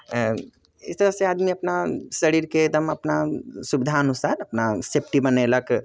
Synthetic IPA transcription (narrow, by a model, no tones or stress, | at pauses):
ɪst̪ɐɾəseaːd̪miɐpnasɐɽiːɾked̪ɐmɐpnasubɪd̪ʱaɐnusaːɾɐpnasep̚ʈibɐnelɐk